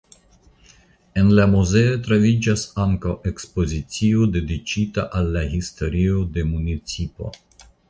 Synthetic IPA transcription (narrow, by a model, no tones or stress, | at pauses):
e̞nlamuze̞otɾavid͡ʒasaŋkawʔe̞kspo̞zit͡siode̞dit͡ʃitaʔalːahisto̞ɾiode̞munit͡sipo̞̰